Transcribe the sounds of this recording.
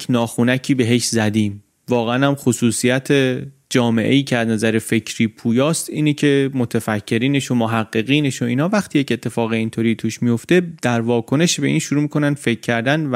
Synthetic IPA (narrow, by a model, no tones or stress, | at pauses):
nɒːxunæcʰiːbe̞ɦe̞ʃzæd̪iːm | vɒːɣeænæmxosuːsijæt̪ʰe | d͡ʒɒːme̞ʔe̞̰jiːcʰeæznæzæɾe̞fe̞cʰɾiːpʰuːjɒːst̪iːnecʰe̞mo̞t̪ʰefæcʰːe̞ɾiːne̞ʃomoɦæɢːe̞ɣiːne̞ʃo̞iːnɒːvæχt̪ʰiːje̞ce̞t̪ʰːe̞fɒːɣe̞iːnt̪ʰoɾiːt̪ʰuːʃmijo̞ft̪e̞d̪̥æɾvɒːkʰo̞ne̞ʃbe̞ʔiːnʃuɾuːmikʰo̞nænfe̞cʰːæɾd̪æn